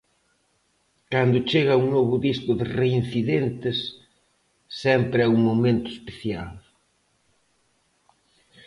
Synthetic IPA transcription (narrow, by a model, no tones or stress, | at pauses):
kand̪ʊt͡ʃeɣɐuŋnoβʊðiskʊðɪrein̟θiðent̪ɪs | ɛmpɾɪɛuŋmomẽnt̪ʊespeθjal